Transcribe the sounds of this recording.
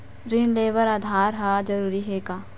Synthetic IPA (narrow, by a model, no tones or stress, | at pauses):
ɾɪnleːʋəɾaːd̪ʱaːɾɦaːd͡ʒɐɾuːɾiɦeːkaː